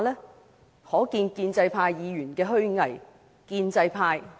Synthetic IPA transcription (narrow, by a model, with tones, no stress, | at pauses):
lɛː˥ | hɔː˨˥kiː˧nkiː˧nt͡sɐ˧jpʰaː˧jːiː˨˧jyː˨˩nkɛː˧ɦɵ˥ɥŋɐ˨˩j | kiː˧nt͡sɐ˧jpʰaː˧j